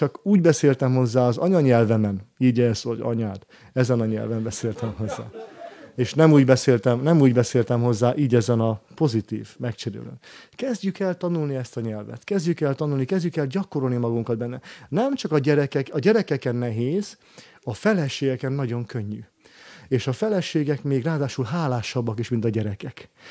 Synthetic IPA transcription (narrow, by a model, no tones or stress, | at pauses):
t͡ʃɒkuːɟbɛseːlt̪ɛmɦo̞zːaːɒzɒ̰ɲɒɲɛlvɛmɛniːɟɛzɒɟɒ̰ɲaːt̪ | ɛzɛnɒɲɛ̰lvɛmbɛseːlt̪ɛmɦo̞zːa̰ːeːʃnɛmuːɟbɛseːlt̪ɛmnɛmuːɟbɛseːlt̪ɛmɦo̞zːaːʔiːɟɛzɛnɒpo̞zit̪ḭːvmɛkt͡ʃɛɾḛːlø̰ːnkɛzɟykɛlt̪ɒnulniɛst̪ɒɲɛlvɛ̰t̪kɛzɟykɛlt̪ɒnulnikɛzɟykɛlɟɒko̞ɾo̞lnimɒɡuŋkɒd̪bɛnːɛnɛmt͡ʃɒkɒɟɛɾɛkɛkɒɟɛɾɛkɛkɛnːɛɦeːz̥ | ɒfɛlɛʃeːɡɛkɛnːɒɟo̞ŋkø̞ɲːy̰ | eːʃɒfɛlɛʃeːɡɛkmeːɡraːd̪aːʃulɦaːlaːʃɒbːɒkiʃmint̪ɒɟɛɾɛkɛk